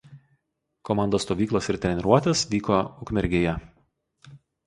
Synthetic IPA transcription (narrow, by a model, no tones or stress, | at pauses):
kɔmɑˑnd̪oːst̪oːʋʲiːklˠoːsɪɾt̪ʲɾʲɛnʲɛɾuɔt̪ʲeːsʋʲiːkoʊkmʲɛɾʲɡʲeːjɛ